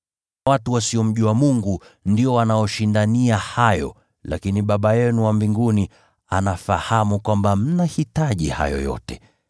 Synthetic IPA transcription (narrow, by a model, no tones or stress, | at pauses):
watuwasiɔm̩ʄuwamuŋɡundiɔwanajɔʃindaniahajɔ̰ | la̰kiniɓaɓajɛnuwambiŋɡuni | a̰nafahamukwambam̩nahitaʄḭha̰jɔ̰jɔ̰tɛ